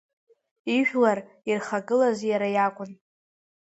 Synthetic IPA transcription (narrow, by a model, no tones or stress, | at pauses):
iʒᶣlar | irχaɡɨlazjaɾajakʷʼʊn